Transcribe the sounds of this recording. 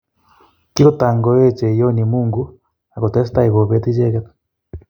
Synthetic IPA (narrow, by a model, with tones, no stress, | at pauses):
ki˦ɣo˦ta˨ŋɡɔ˨jɛ˦t͡ʃɛ˨jo˦ni˨muː˦ŋɡu˦ | a˨ko˨tɛ˦s̬ta˦i˨ɣo˨βɛ˦t̪i˦d͡ʒɛ˦ɣɛ˦t